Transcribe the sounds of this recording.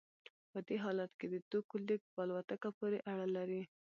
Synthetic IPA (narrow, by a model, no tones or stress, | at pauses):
pəd̪eɦɑlat̪ked̪əd̪ukʊlik̚pɑlwat̪akapoɾeʔaɽalaɾi